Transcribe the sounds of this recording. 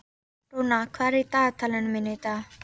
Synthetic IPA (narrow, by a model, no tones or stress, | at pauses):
ʈonakʰaɾit̪aːt̪ʰələnminet̪a